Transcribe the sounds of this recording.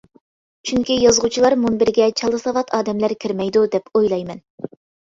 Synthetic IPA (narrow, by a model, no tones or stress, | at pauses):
t͡ʃʰyŋkʲijɑzʁut͡ʃʰilˠɑɾmunbɪɾɡʲɛt͡ʃʰɑlˠːɨsɑvɑt̪ʰɑːd̪ɛmlæɾkʲʰiɾmɛjd̪ud̪ɛpojlˠɑjmɛn